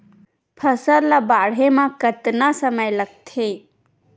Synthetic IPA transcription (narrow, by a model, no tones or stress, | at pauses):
pʰəsəɾlabaːɽemãkət̪nasəməjləɡ̚t̪ʰe